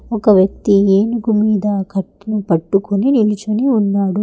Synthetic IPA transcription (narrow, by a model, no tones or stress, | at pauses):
ɔkɐʋjɐk̚t̪ieːnuɡumiːd̪ɐkɐʈːnupɐʈːukoninilit͡ʃuniunːaːɽu